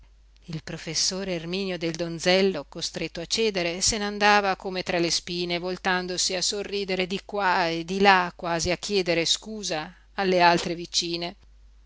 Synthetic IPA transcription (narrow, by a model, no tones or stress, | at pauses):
ilpɾofesːoːɾeːrmiːnjod̪eld̪ond̪zɛlːokost̪ɾet̪ːoat͡ʃːɛːd̪eɾeseneand̪aːvakomet̪ɾalespiːnevolt̪and̪osiasorːiːd̪eɾed̪ikwaed̪ilakːwaːziakːjɛːd̪eɾeskuːzaː | lːealt̪ɾevit͡ʃiːne